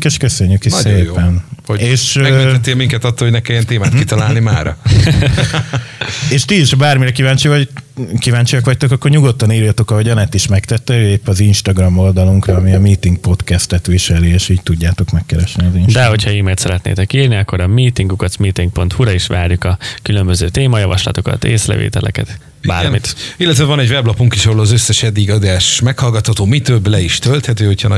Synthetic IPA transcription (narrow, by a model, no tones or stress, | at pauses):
keːʃkøsøɲːukeːpɛnoeːʃmɛit̪ɛt̪ːelmiŋkɛt̪ɒt̪ːoloɟnɛkɛmjɛnt̪eːmaːt̪kit̪ɒlaːlnimaːɾɒ̰ | eːʃt̪iiʃhbaːrmiɾɛkivaːɲt͡ʃivɒkivaːɲt͡ʃijɒkʋɒc̚t̪o̞kɒkːo̞rɲuɡo̞t̪ːɒniːɾjɒt̪o̞kɒɦoɟɒnɛt̪iʃmɛkt̪ɛt̪ːɛøepːɒzinʃt̪ɒɡrɒmo̞ld̪ɒluŋkrɒːmiɒmiːt̪iŋɡ̚po̞t̪kɛst̪ɛt̪ʋiʃɛlieːʃiːc̚t̪uɟːaːt̪o̞kmɛkːɛɾɛʃnizindd̪ɛɦo̞tcʰhɒiːmeːlt̪sɛɾɛt̪nḛːt̪ɛkiːrniɒkːo̞ɾɒmiːt̪iŋɡukɒt̪miːt̪iŋk̚po̞nt̪huɾɒiʃʋa̰ːrjukɒkylø̞mbøzøːt̪eːmɒjɒvɒʃlɒ̰t̪o̞kɒ̰t̪eːslɛ̰vḛːt̪ɛlʔɛ̰kɛt̪ | ba̰ːrmit̪ilːɛt̪vɛvɒnɛɟvɛblɒpuŋkiʃɒɦolɒzøsːɛʃɛd̪ːiɡɒd̪aːʃmɛkhɒlɡɒt̪hɒt̪oːmit̪øblɛiʃt̪ølt̪hɛt̪øːho̞cʰɒnɒ